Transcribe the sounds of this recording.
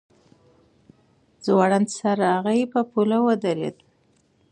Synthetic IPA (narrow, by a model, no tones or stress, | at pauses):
d͡zwɑɽansaɾaaɣajepəpulawəd̪aɾḛd̪